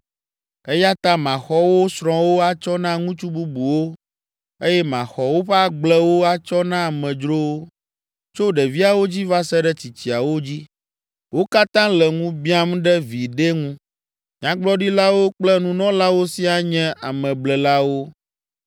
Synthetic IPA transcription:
e˦ja˦t̪a˦mã˨xɔ˦wo˦sɾɔ̃˨wo˦a˦t͡ʃɔ˦nã˦ŋũ˦t͡ʃu˦bu˦bu˨wo˦ | e˦jɛ˦mã̰˨xɔ˨wo˦ɸɛ˦a˦ɡ͡blɛ˦wo˦a˦t͡ʃɔ˦nã˦˨mɛ̃˨d͡ʒɾo˦wo˦ | t͡ʃo˦ɖɛ˨vi˦a˨wo˦d͡ʑi˦va˦sɛ˦ɖɛ˦t͡ɕi˨t͡ɕi˨a˨wo˦d͡ʑi˦ | wo˦ka˦t̪ã˦lɛ˨ŋũ˦bi˦a˦m˦ɖɛ˦vi˨ɖɛ˦ŋũ˦ | ɲã˨˦ɡ͡blɔ˦ɖi˦la˦wo˦k͡plɛ˦nũ˦nɔ̃˦la˦wo˦si˦a˨ɲɛ̃˦a˨mɛ̃˨blɛ˨la˦wo˦

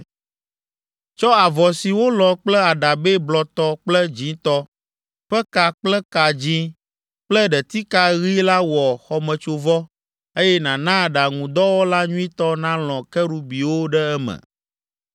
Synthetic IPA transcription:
t͡ʃɔ˦a˨vɔ˨si˨wo˦lɔ̃˨k͡plɛ˦a˨ɖa˨be˦blɔ˨t̪ɔ˦k͡plɛ˦d͡ʑĩ˨˦t̪ɔ˦ | ɸɛ˦ka˨k͡plɛ˦ka˨d͡ʑĩ˦ | k͡plɛ˦ɖɛ˨t̪i˦ka˦ɣi˦la˦wɔ˨xɔ˨mɛ̃˨t͡ʃo˨vɔ˦ | e˦jɛ˦nã˨nã˦˨ɖa˨ŋũ˨d̪ɔ˦wo˦la˦ɲũ˦ĩ˦t̪ɔ˦nã˦l̃ɔ̃˨kɛ˦ɽu˦bi˨wo˦ɖɛ˦ɛ˦mɛ̰̃˨

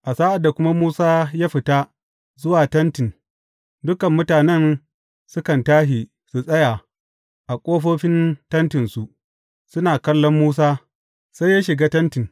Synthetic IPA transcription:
ʔa˨saː˦ʔa˨dːa˨kʷʊ˦ma˦muː˦saː˦jaː˦ɸɪ˨ta˦ | zʊ˦waː˨tɐ˦ntɪ˨n | dʊ˦kɐ˨mːʊ˦taː˨nɛ˦n | sʊ˦kɐ˨ntaː˦ɦi˨ | su˨sʼɐ˦ja˨ | ʔa˨kʷʼoː˦ɸoː˦ɸɪ˦ntɐ˦ntɪ˨nsu˨ʔ | sʊ˦naː˨kɐ˦lːɔ˦mːuː˦s̬aː˦ | sa˦jːa˦ʃɪ˨ɡaː˦tɐ˦ntɪ˨n

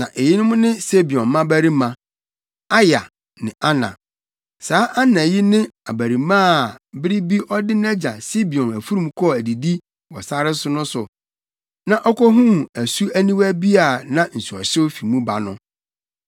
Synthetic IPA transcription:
nã˨ʔe˨jɪ˦nʊ̃˦mʊ̃˦nɪ̃˦se˦bi˨ɔ̃˨mã˦bæ˦ɾi˦mã˨ | a˦ja̰˨ | nɪ̃˨ʔa˦nã̰˨ | saː˨˦ʔa˦nã˨ji˦nɪ̃˦a˨bæ˨ɾi˨mãː˦˨bɪ˦ɾɪ˦bi˦ʔɔ˦dɪ˦n˦ɛ˦d͡ʑa̰˨si˦bi˨ɔ̃˨næ˨fu˦ɾũ˨mkʰɔ˦˨æ˨di˨di˦ | wɔ˨sa˦ɾɪ˦sʊ˦nʊ̃˦sʊ˨ | nã˨ʔɔ˦kɔ˦ɦũ˦˨æ˨su˦æ˦nĩ˦wæ˦bi˦a˨nã˦n̩˨su˨ɔ̰˨ɕɪ˦wfi˨mũ˦ba̰˨nʊ̃˦

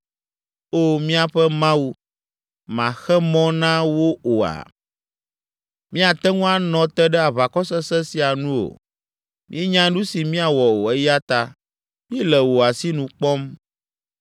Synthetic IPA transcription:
o˦˨mĩ˦a˨ɸɛ˦mã˦wu˦ | mã̰˨xɛ˦mɔ̃˦nã˦wo˦o˨a̰˨ | mĩ˦a˨t̪ɛ˦ŋũ˦a˦nɔ̃˨t̪ɛ˦ɖɛ˦a˨βa˨kɔ˦sɛ˦sɛ˦si˨a˨nũ˦o̰˨ | mĩ˦e˦ɲã˦nũ˦si˨mĩ˦a˨wɔ˨o˨ɛ˦ja˦t̪a˦ | mĩ˦ɛ˦lɛ˨wo˨a˨si˦nũ˨k͡pɔ˦m

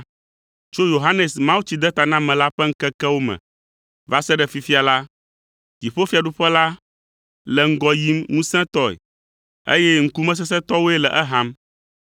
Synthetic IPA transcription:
t͡ʃo˦jo˨ɦa˦nɛ˨smã˦wu˦t͡ɕi˨d̪ɛ˦t̪a˨nã˦mɛ̃˨la˦ɸɛ˦ŋ̩˦kɛ˦kɛ˦wo˦mɛ̰̃˨ | va˦sɛ˦ɖɛ˨fi˨fi˦a˨la˦ | ti˨ɸo˦fi˦a˨ɖu˦ɸɛ˦la˦ | lɛ˨ŋ̩˦ɡɔ˨ji˦mnũ˦sɛ̃˦t̪ɔ˦ɛ̰˨ | ḛ˦jɛ˦ŋ̩˦ku˦mɛ̃˦s̬ɛ˦s̬ɛ˦t̪ɔ˦wo˦ɛ˦lɛ˨ʔɛ˦ɦã˦m

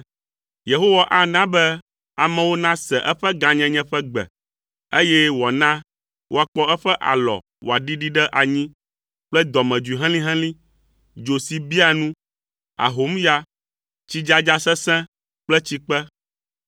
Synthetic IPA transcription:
je˨ɦo˦wa˦ʔa˦nã˦bɛ˦ | a˨mɛ̃˦wo˦nã˦sɛ˨ʔɛ˦ɸɛ˦ɡã˨ɲɛ̃˦ɲɛ̃˦ɸɛ˦ɡ͡bɛ̰˨ | e˦jɛ˦wɔ˨nã˦ | wʔo˦a˨k͡pɔ˦ɛ˦ɸɛ˦ʔa̰˨lɔ̰˨ | wo˨a˨ɖi˦ɖi˦ɖɛ˦ʔa˨ɲĩ˦ | k͡plɛ˦d̪ɔ˨mɛ̃˨d͡ʒu˨i˨ɦɛ̃˦lĩ˦ɦɛ̃˦lĩ˦ | d͡ʒo˨si˨bi˦a˨nũ˦ | a̰˨ɦo˨˦mja˦ | t͡ɕi˦d͡ʒa˦d͡ʒa˦sɛ˦sɛ̃˦ | k͡plɛ˦t͡ɕi˦k͡pɛ˦

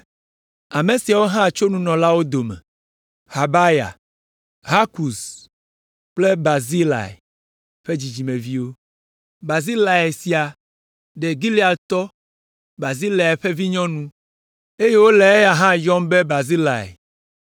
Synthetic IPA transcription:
a˨mẽ˨si˨a˨wo˦ɦã˦˨t͡ʃo˦nũ˦nɔ̃˨la˦wo˦d̪o˨mɛ̰̃˨ | ha˨ba˦ja̰˨ | ɦa˦ku˨s | k͡ple˦ba˨zi˦la̰˨ḛ˨ | ɸe˦d͡ʑi˨d͡ʑi˨mẽ˨vi˦wo˦ | ba˨zi˦la˨e˨si˨a˨ | ɖe˨ɡi˦li˦a˨t̪ɔ˦ | ba˨zi˦la˨e˨ɸe˦vi˦ɲɔ̃˦nũ˦ | e˦je˦wo˦lɛ˨e˦ja˨ɦã˦jɔ˦mbe˦ba˨zi˦la˨ḛ˨

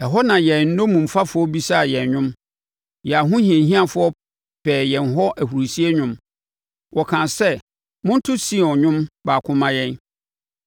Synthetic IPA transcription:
ɛ˨ɦɔ˦nã˨jɛ˨n̩˦nõ˦mũ˨m˨fa˦fʊ˦ɔ˦bi˦sa˦a˨jɛ˨ɲᶣʊ̃˦m | jɛ˨a˨ɦʊ̃˦hĩ˨ẽ˨ɦĩ˦a˨fʊ˨˦ɔ˦ | pʰɛː˨jɛ̃˨n˨ɦɔ˦ʔæ˨hu˨ɾi˨si˦e˦ɲʊ̃˦m | wʔɔ˨kʰã˨nsɛ˦ | mʊ̃˦n̩˦tʰʊ˦si˦˨ɔ̃˨ɲᶣʊ̃˦mbaː˨kʰʊ̃˦mã˦jɛ̃˦n

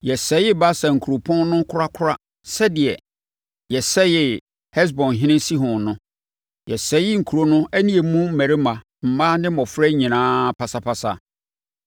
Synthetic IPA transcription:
jɛ˨sɛ˨˦jɪ˦ba˦sɛ˨ŋ̩˨kʰu˨ɾo˨pʰɔ̃˦nnʊ̃˦kʰʊ˦ɾa˦kʰʊ˦ɾa˦ | sɛ˦dɪ˨ɛ˨ | jɛ˨sɛ˦jɪ˦ | hɛ˦s̬bɔ̃˨nɦɪ̃˦nɪ̃˦si˦ɦʊ̃˨nʊ̃˦ | jɛ˨sɛ˦jɪ˦ŋ̩˨kʰu˨ɾo˦nʊ̃˦æ˦nĩ˦e˨mũ˦m̩˦mæ˨ɾe˦mã˨ | m̩˨mã˦nɪ̃˦mɔ̃˨fɾɛ˦ɲĩ˨nãː˦pʰa˨sa˨pʰa˨sa̰˨

